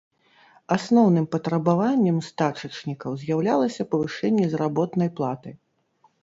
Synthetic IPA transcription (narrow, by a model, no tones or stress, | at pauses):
asnɔwnɨmpɐt̪ɾɐbavanʲːɛmst̪at͡ʂɐt͡ʂnʲikɐwzʲjawlʲalˠɐsʲɐpɐvɨʂɛnʲːɛzɾabɔt̪nɐjplˠat̪ɨj